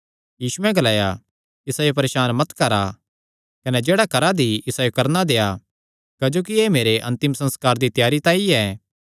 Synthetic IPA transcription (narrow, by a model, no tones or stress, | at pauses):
jiːsuɛ̃ɡɐlaːja | ɪsaːjop̬ɐɾeːʃaːnmɐt̪kɐɾa | kɐnɛd͡ʒeːɽakɐɾad̪iɪsaːjokɐɾnad̪eːa | kɐd͡ʒoːk̬ieːmeːɾeʔɐ̃nt̪ɪmsɐ̃nskaːɾd̪it̪ɪjaːɾit̪ãːiɛː